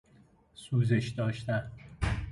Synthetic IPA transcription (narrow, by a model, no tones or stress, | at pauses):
suːzeʃd̪ɒːʃt̪æn